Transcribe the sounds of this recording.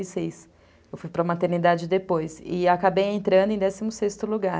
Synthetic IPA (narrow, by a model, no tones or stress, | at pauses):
sejs | ewfujpɾɐmat̪eɾnid̪ad͡ʒɪd̪epojsɪakabejẽnt̪ɾɐ̃nd̪ʊẽd̪ɛsimʊsest̪ʊluɡa